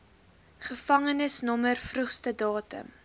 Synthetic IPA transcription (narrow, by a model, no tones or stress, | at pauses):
χəfɐŋənəsnɔmərfruχstədɑːtə̰m